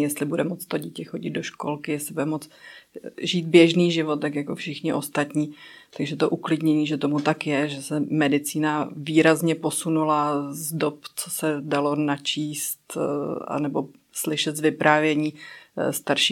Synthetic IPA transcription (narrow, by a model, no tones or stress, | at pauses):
jɛst̪lɪbudɛmot͡st̪o̞ɟicɛxo̞ɟɪd̪̚doʃko̰lkɪjɛslɪbudɛmo̞t͡s | ʒiːt̪̚bjɛʒniːʒɪvot̪ːt̪akjakofʃɪxɲɪʔo̞st̪at̪ɲiːt̪aɡʒɛt̪oʔuklɪdɲɛɲiːʒɛt̪omut̪akjɛʒɛsɛmɛdɪt͡siːnaviːɾazɲɛpo̞sunulazdopt͡sosɛdalonat͡ʃiːst̪a̰nɛbo̰ | slɪʃɛt̪zvɪpɾʔaːvjɛɲiːst̪aɾʃi